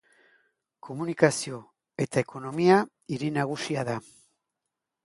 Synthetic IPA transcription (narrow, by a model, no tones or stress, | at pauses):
kʰo̞munikasio̞ | e̞t̪aekʰo̞no̞mia | iɾinaɣ̞usiaða